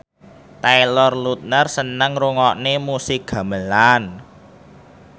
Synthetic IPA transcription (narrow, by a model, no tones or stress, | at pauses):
t̪ajlɔrlut̪̚nərsənəŋruŋɔʔnemusɪk̚ɡ̥a̤məlan